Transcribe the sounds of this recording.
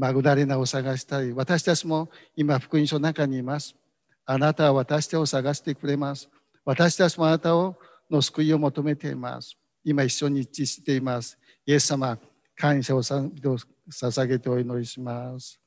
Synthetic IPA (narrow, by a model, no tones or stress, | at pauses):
maɡɯ̟naɾe̞naosaɡaɕi̥t̪aiβat̪aɕi̥t̪at͡ɕimo̞ | imaɸɯ̟̥kɯ̟ĩɕonakaɲ̟iːmasɨ̥ | anat̪aβaβat̪aɕi̥t̪ao̞saɡaɕi̥t̪e̞kɯ̟ɾe̞masɨ̥ | βat̪aɕi̥t̪at͡ɕimo̞anat̪ao | no̞sɨ̥kɯ̟io̞mot̪o̞me̞t̪e̞̰ḭma̰sɨ̥ | imaiɕːo̞ɲ̟it͡ɕiɕi̥t̪e̞imasɨ̥ | je̞sːama | kʰãɰ̃ɕaoso | sasaɡe̞t̪e̞o̞ino̞ɾʲiɕimasɨ̥